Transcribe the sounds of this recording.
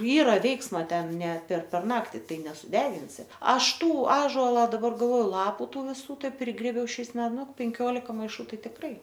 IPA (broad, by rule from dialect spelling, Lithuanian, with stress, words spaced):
ˈiːrɐ ˈʋʲɛɪksmɐ ˈtʲɛn nʲɛ pʲɛr pʲɛr ˈnɑːktʲɪ ˈtɐɪ nʲɛsʊˈdʲæːɡʲɪnʲsʲɪ ˈɐʃ ˈtuː ˈɑːʒoːlˠɐ dɐˈbɐr ɡɐlˠˈʋoːjʊ ˈlˠɑːpʊ ˈtuː ʋʲɪˈsuː ˈtɐɪ ˈpʲrʲɪɡrʲeːbʲɛʊ ˈʃʲɛɪs ˈmʲɛ ˈnʊ pʲɛŋʲˈkʲoːlʲɪkɐ mɐɪˈʃuː ˈtɐɪ tʲɪkˈrɐɪ